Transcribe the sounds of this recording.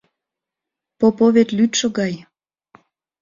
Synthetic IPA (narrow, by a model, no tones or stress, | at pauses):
popoβet̪lyt̪ʃə̆ɣɑj